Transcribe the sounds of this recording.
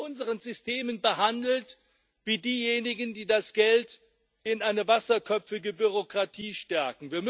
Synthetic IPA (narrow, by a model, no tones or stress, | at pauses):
ʊnzəʁənzʏstʰeːmənbəhandl̩t | viːdiːjeːnɪɡən̩diːdasɡ̥ɛlt | ɪnʔaɪnəvasɐkʰœpp͡fɪɡəbyʁokʁ̥atʰiːʃtɛɐkŋ̩viːɐm